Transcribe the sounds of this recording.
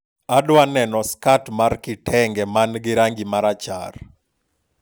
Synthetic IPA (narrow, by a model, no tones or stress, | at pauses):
adwanɛnɔskatmarkɪtɛŋɡɛmanɡɪɾaŋɡimaɾat͡ʃa̰r